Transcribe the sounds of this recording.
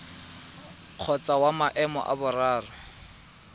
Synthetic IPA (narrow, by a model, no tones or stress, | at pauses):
q͡χʰɔt͡sʼawamaʔɛmɔ̰ʔa̰bʊraːrʊ